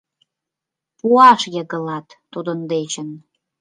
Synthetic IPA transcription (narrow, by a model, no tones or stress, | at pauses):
puɑʃjəɣə̆lɑt̪ːod̪ənd̪et͡ɕən